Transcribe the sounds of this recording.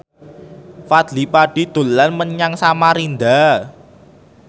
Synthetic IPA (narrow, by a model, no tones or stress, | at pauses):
fad̪lipaɖ̥i̤d̪̥o̤lanməɲaŋsamaɾind̪a